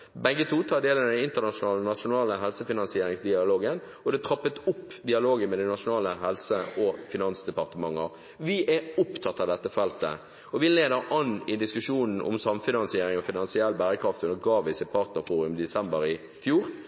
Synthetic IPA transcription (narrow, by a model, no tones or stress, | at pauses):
bɛɡːət̪ʰuːt̪ʰɑːd̪eːlənd̪ɛnɪnt̪ənɑʂʊnɑːlnɑʂʊnɑːləɦɛlsəfɪnɑnsɪeːɾɪŋsd̪ɪɑloːɡən | ɔd̪ɛt̪ʰɾɑpːət̪ʊpːd̪ɪɑloːɡəmɛd̪ɛnɑʂʊnɑːləɦɛlsəʔɔfɪnɑnsd̪ɛpɑʁt̪əmɑŋːə | ʋɪʔɛʊpt̪ʰɑt̪ːɑʋd̪ɛt̪ːəfɛlt̪ə̰ | ɔʋɪleːd̪əɾʔɑnɪd̪ɪskʉʂuːnn̩ʔɔ̰msɑmfɪnɑnsɪeːɾɪŋɔfɪnɑnsɪɛlːbæːɾəkʰɾɑft̪ʉnəɾɡɑːʋɪsɪpʰɑːʁt̪nəfuːɾʉmd̪ɛsɛmbəɾɪ | fjuːɾ